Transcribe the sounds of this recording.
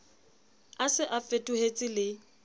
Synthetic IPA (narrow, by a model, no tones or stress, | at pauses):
asɪʔafetʼuhet͡sʼɪlɪ